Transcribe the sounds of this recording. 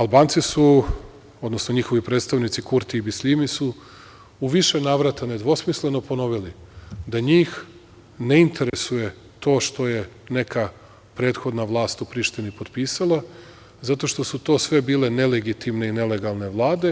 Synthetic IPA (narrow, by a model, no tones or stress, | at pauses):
alˠbaːnt̪sisu | o̞d̪no̞snoɲixo̞ʋipɾet̪st̪aʋnit̪sikuɾt̪iːbislimisu | uʋiʃe̞naːʋɾat̪ane̞d̪ʋo̞smisle̞no̞po̞no̞ʋilid̪aɲiːx | ne̞int̪ʰe̞ɾesuje̞ | t̪o̞ːʃt̪o̞je̞ne̞ka | pɾe̞ːt̪xo̞d̪naʋlˠaːst̪upɾiːʃt̪inipo̞d̪piːsalˠa | zat̪o̞ʃt̪o̞sut̪o̞ːsʋe̞biːle̞ne̞leɡit̪imne̞ine̞le̞ɡalˠne̞ʋlˠaːd̪e̞